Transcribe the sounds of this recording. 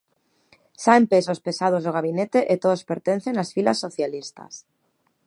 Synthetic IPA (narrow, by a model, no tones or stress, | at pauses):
saempesospesað̞ozðoɣ̞aβ̞inet̪eʔet̪oðospeɾt̪en̟θeŋasfilasːoθjalist̪a̰s